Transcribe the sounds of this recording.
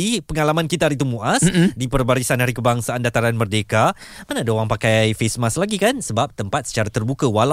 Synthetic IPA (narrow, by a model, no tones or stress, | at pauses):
ipəŋalamãnkit̪aaɾit̪̬umũʔasdipərbaɾisanhaɾikəbaŋsaːndat̪aɾanmərdekamanaːdaowaŋpakajfesmaslaɡikansəbap̚t̪əmpat̪̚sə̥t͡ʃaɾat̪ərbukəwala